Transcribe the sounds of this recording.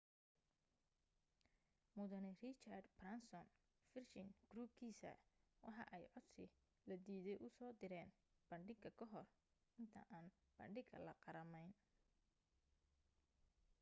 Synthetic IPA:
mʊðɐnɪrɪt͡ʃard̪brɐnsɔn | fɪrʃɪŋɡ̥ruːb̚kʰiːsɐ̰wɑħɑ̰ʔɛjʕɔd̪sɪ | lɐd̪iːðɛjʔʊsɔːd̪ɪɾɛːn | b̥ɐɳɖɪɡɐkʰɐɦɔr | ɪnt̪ʰɐ̰ʔaːnb̥ɐ̰ɳɖɪɡɐlɐ̰qɑɾɐmɛjn

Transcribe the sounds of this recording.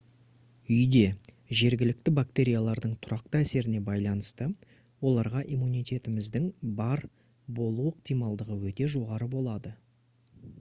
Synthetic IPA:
ʏjd̪e̞ | ʒe̞ɾɡʲɪlɪk̚t̪ɪbak̚t̪e̞ɾʲijalˠɑɾd̪əɴt̪ʰʊɾɑq̚t̪əæse̞ɾɪne̞bɑjlˠɑnəst̪ə | wo̞lˠɑɾʁɑʔimunijt̪ʲe̞t̪ɪmɪzd̪ɪŋbɑɾ | bo̞lˠuəq̚t̪ijmɑlˠd̪əʁəwɵt̪e̞ʒo̞ʁɑɾəbo̞lˠɑd̪ə

